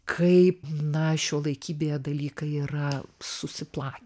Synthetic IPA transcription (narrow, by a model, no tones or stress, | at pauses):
kʰɐɪpnɐʃʲoːlˠɐɪkʲiːbʲejɛd̪ɐlʲiːkɐiːrɐsʊsʲɪplˠɑːkʲː